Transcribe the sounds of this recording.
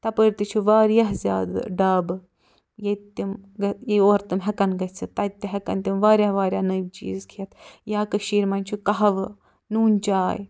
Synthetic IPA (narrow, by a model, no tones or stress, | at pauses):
t̪ɐpəɾʲt̪it͡ʃʰuʋaːɾjɐɦzʲja̰ːd̪ɖaːbɨ | jet̪ːimɡɐjeoːɾt̪ɨmɦɐkɐnɡɐt͡sʰɨt̪ːɐt̪ːiɦɐkɐ̰nt̪imʋaːɾʲjɐhʋaːɾjanɐjʋt͡ʃḭːzkʰiɐt̪ʰjaːkɐʃiːɾmɐnʲt͡ʃʰukɐɦɐʋɨ | nuːnʲt͡ʃaːj